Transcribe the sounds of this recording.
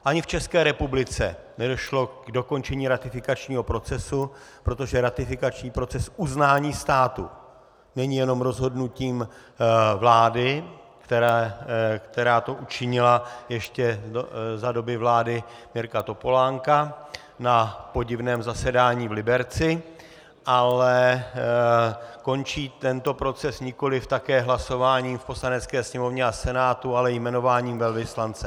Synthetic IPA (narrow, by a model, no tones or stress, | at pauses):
ʔaɲɪft͡ʃɛskɛːɾɛpublɪt͡sɛ | nɛdo̞ʃlo̞ɡ̥do̞ko̞nt͡ʃɛɲiːɾat̪ɪfɪkat͡ʃɲiːɦo̞pɾo̞t͡sɛsu | pɾo̞t̪o̞ʒɛɾat̪ɪfɪkat͡ʃɲiːpɾo̞t͡sɛsʔuznaːɲiːst̪aːt̪ṵ | nɛɲijɛno̞mɾo̞zɦo̞dnuciːm | vlaːdɪ | kt̪ɛ | kt̪ɛɾaːt̪o̞ʔut͡ʃɪɲɪlajɛʃcɛzado̞bɪvlaːdɪmɪɾkat̪o̞po̞laːŋka | napo̞ɟɪvnɛːmzasɛdaːɲiːvlɪbɛɾt͡sɪ | ʔalɛ | ko̞nt͡ʃiːt̪ɛnt̪o̞pɾo̞t͡sɛsɲɪko̞lɪft̪akɛːɦlaso̞vaːɲiːmfpo̞slanɛt͡skɛːsɲɛmo̞vɲɛasɛnaːt̪ualɛjmɛno̞vaːɲiːmvɛlvɪslant͡sɛ